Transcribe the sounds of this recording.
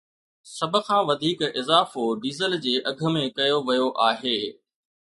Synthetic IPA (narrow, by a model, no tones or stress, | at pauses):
sɐbʱə̆kʰãːʋɐd̪ʱiːkɪzaːfoɖiːzəld͡ʑeːʔɐɡʱə̆mẽkɐjoʋɐjoʔaːɦeː